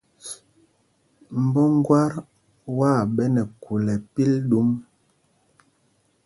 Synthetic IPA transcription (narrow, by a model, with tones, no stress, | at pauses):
m̩˨bɔ˦ŋ˦ɡwa˦ɾ | wa˦˨bɛ˦nɛ˨ku˨lɛ˨pi˦ldu˦m